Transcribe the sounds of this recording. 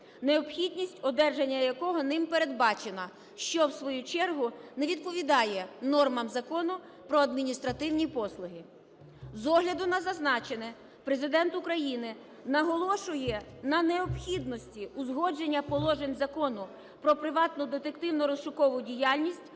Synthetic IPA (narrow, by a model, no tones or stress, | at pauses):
neɔpxʲid̪ʲnʲisʲtʲɔd̪ɛrʒenʲːɐjɐkɔɦɔnɪmpeɾe̞d̪̚bɑt͡ʃenɐ | ʃt͡ʃɔwsʋɔjut͡ʃɛrɦʊnɛʋʲid̪̚pɔʋʲid̪ɑjɛnɔrmɐmzɐkɔnʊ | pɾɔɐd̪mʲinʲist̪ɾɐt̪ɪwnʲipɔslˠʊɦɪ | zɔɦlʲɐd̪ʊnɐzɐznɑt͡ʃenɛ | pɾezɪd̪ɛnt̪ʊkɾɐjinɪ | nɐɦɔlˠɔʃʊjɛnɐneɔpxʲid̪nɔsʲtʲiʊzɦɔd͡ʒenʲːɐpɔlˠɔʒenʲzɐkɔnʊ | pɾɔpɾɪʋɑt̪nʊd̪et̪ekt̪ɪwnɔɾɔsʃʊkɔʋʊdʲijaɑlʲnʲisʲtʲ